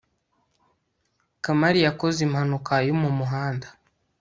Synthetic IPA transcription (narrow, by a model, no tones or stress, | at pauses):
kamaɾijakozimhanukajomumuɦaːndḁ